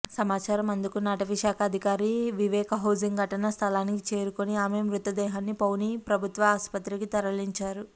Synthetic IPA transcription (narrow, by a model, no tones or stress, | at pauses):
sɐmaːt͡ʃaːɾɐmɐnd̪ukunaːʈɐʋiʃaːkʰɐɐːd̪ʱikaːɾiʋiʋɛːkɐɦɐwd͡ʒiŋɡɡʱɐʈɐnɐst̪ʰɐlaːnikit͡ʃe̞ːɾukoniaːmeːmɾut̪ːɐd̪ɛːɦaːnːipɐwnipɾɐbʱut̪ʋɐaːspɐt̪ɾikit̪ɐɾɐliɲt͡ʃaːɾu